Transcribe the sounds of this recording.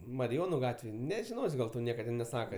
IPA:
mɐrʲɪˈjoːnʊ ˈɡɑːtʲʋʲeːj nʲɛʒʲɪˈnoːsʲ ɡɐlˠ ˈtɐʊ ˈnʲiɛkɐ tʲɪn nʲɛˈsɑːkɐ

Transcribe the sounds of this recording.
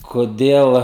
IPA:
koːˈdʲeːlˠ

